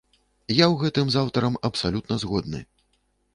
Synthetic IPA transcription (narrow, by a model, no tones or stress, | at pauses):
jawɣɛt̪ɨmzawt̪ɐɾɐmɐpsalʲut̪̚nɐzɣɔd̪̚nɨ̰